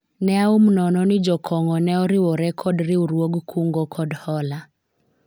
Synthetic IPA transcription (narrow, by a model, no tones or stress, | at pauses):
nɛaumnɔnɔnɪd͡ʒɔkʰɔŋɔnɛɔɾɪwɔɾɛkʰɔdɾiuɾwoɡkʰuŋɡɔkʰɔdhɔla